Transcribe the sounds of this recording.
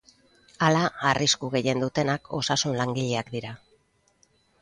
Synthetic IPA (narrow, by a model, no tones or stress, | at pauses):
alaariskuɣe̞je̞nd̪ut̪e̞nakʰo̞sasunlaŋɡiʎeakd̪iɾa